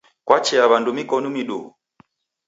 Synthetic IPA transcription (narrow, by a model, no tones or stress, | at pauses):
kwat͡ʃɛaβandumikɔnumiɗṵ